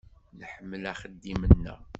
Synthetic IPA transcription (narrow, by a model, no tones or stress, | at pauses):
nħəmːəlæχəd̪ːimənːæ̰